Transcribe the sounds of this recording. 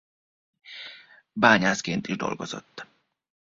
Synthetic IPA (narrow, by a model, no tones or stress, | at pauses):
baːɲaːskeːnt̪iʒd̪o̞̰lɡozo̰t̪ː